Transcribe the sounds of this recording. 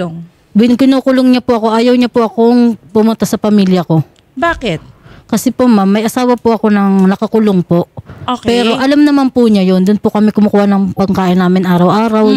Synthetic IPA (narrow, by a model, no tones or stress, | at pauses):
ŋ | bɪkɪnoːkʊloŋɲɐpʊʔɐko̞ʔaːjɐwɲɐpʊʔɐko̞ŋpʊmʊnt̪asɐpɐmiːljɐko̞ | baːkɪt̪̚kɐsɛpomamːɐjʔɐsaːwɐpʊʔɐko̞nɐŋnɐkɐkʊloŋpo̞ʔokpɛːɾo̞ʔɐlamnɐmanpʊɲajond̪ʊnpʊkɐmɛkʊmʊkuːhanɐŋpɐɡkaːʔɪnːaːmɪnʔaːɾɐwʔaːɾɐw